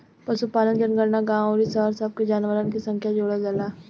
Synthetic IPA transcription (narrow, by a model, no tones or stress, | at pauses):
pɐsupaːlənd͡ʒənɡəɾnaɡãːwoɾisəɦəɾsəb̚ked͡ʒaːnʋəɾənkisɐ̃ŋkʰjad͡ʒoːɽad͡ʒəla